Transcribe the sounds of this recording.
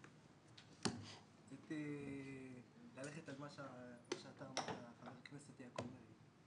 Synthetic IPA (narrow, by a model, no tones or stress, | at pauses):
zet̪e | laleχet̪almaʃmaʃeat̪ametaχaveʁkneset̪eakomeʁi